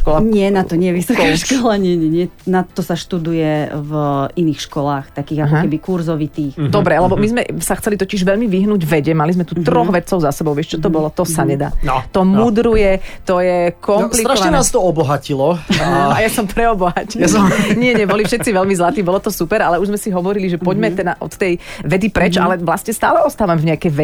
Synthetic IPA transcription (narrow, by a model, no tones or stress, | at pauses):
ʃkɔlaɲɪɛnat̪ɔɲɛjɛʋisɔkaʃkɔlaɲɪɛɲɛɲɪɛnat̪ɔsaʃt̪ud̪ujɛviniːxʃkɔlaːxtt̪akiːɣakɔkɛbikuɾzɔʋit̪iːxd̪ɔbɾɛlɛbɔmizmɛsaxt͡sɛlit̪ɔciʒʋɛʎmiʋiɦnuːɟʋɛɟɛmalizmɛt̪uːt̪ɾɔɣʋɛt̪t͡sɔʊzasɛbɔʊʋɪɛʃt͡ʃɔt̪ɔbɔlɔt̪ɔsaɲɛd̪a̰ːt̪ɔmud̪ɾujɛt̪ɔjɛkɔmplik̪ɾaɛnaːst̪ɔɔbɔɦacilɔajasɔmpɾɛɔbɔɦaciɲɪɛɲɛbɔlifʃɛt̪t͡siʋɛʎmizlat̪iːbɔlɔt̪ɔsupɛɾalɛuʒzmɛsiɦɔʋɔɾiliʒɛpɔɟmɛt̪ɛd̪aʔɔ̰t̪ːɛjʋɛd̪ipɾɛt͡ʃalɛʋlasɲɛst̪aːlɛɔst̪aːʋamvɲɛakɛjʋɛ